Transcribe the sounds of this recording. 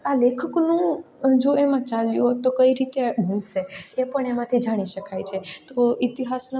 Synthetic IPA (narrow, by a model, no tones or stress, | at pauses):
alekʰəknũ | d͡ʒoemãt͡ʃaljut̪okəiɾit̪ebʱənʃeepəɳemãt̪ʰid͡ʒaɽ̃iʃəkajt͡ʃʰet̪oit̪iɦasn